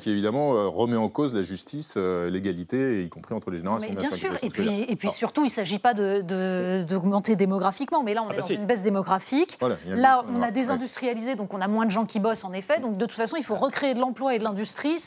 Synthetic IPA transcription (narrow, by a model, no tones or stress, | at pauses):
kʲievid̪amɑ̃øʁəmɛɑ̃kozlaʒyst̪isøleɡalit̪eikɔ̃pχiɑ̃t̪χəleʒeneʁalmɛjɛ̃syʁepiepɥisyʁt̪uilsaʒipad̪əd̪əd̪ɔɡmɑ̃t̪ed̪emɔɡʁafikmɑ̃mɛlaɔ̃nɛd̪ɑ̃zynbɛs̬d̪emɔɡʁafikalaɔ̃nad̪ezɛ̃d̪yst̪χijalized̪ɔ̃kɔ̃namwɛ̃d̪əʒɑ̃kʲibɔsɑ̃nefɛd̪ɔ̃k̚d̪ət̪u̥t̪fasɔ̃ilfoʁəkχeːd̪əlɑ̃plwaed̪əlɛ̃d̪yst̪χi